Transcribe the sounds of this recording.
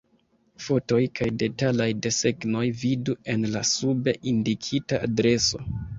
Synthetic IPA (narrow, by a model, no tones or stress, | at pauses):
fo̞to̞jkʰajde̞talajde̞se̞ɡno̞jvidue̞nlasube̞ʔindikʰitaadɾe̞so̞̰